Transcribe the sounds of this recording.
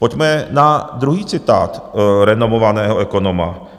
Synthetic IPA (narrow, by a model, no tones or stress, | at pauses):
pocmɛnad̪ɾuɦiːt͡sɪt̪a̰ːt̪ɾɛnomovanɛːɦoʔɛko̞noma̰